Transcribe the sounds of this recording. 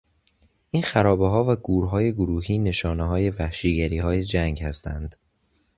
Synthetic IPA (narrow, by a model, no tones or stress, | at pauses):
ʔiːnxæɾɒːbeɦɒːvæɡuːɾɦɒːje̞ɡoɾuːɦiːne̞ʃɒːneɦɒːje̞væhʃiːɟæɾiːɦɒːje̞d͡ʒæŋɡhæst̪ʰænd̪̥